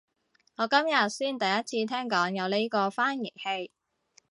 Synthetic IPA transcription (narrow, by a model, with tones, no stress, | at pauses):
ŋɔː˨˧kɐ˥mjɐ˨t̚siː˥˩nt̪ɐ˨jɐ˥t̚t͡sʰiː˧t̪ʰɛː˥ŋkɔː˨˥ŋjɐ˨˧wle˥kɔː˧faː˥nji˨˩jhe˧j